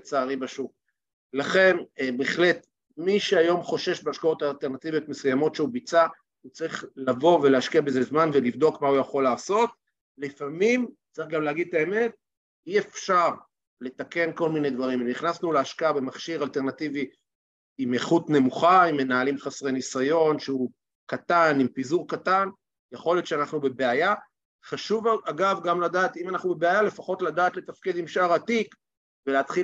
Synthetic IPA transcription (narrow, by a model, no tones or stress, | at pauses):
t͡saːʁibaʃuk̚ | laχe̞nbeːχle̞t̪ | miʃeajo̞mχo̞ʃe̞ʃbeaʃkao̞t̪aːlteʁnat̪ivijotmesujamo̞tʃeubit͡sa | ut͡saʁiχlavo̞veleaʃkiabezezmanvelivd̪o̞kmaujaχo̞laːso̞t̪̚ | lifamimt͡saʁiχɡamleaɡid̪̚t̪ae̞me̞t̚ | iefʃaʁ | le̞t̪ake̞nko̞lmine̞d̪vaʁimemniχnasnuleaʃkaabe̞maχʃiʁalt̪e̞ʁnativi | imeχut̪ne̞muχaimːe̞naːlimχasʁenisajo̞nʃeu | kat̪animpizuʁkat̪an | jeχo̞let̪ʃeanaχnube̞beaja | χaʃuvaɡavɡamladaːt̪imanaχnubebeajale̞faχo̞t̪lad̪aːt̪let̪afkid̪imʃaʁat̪ik | veleat̪χi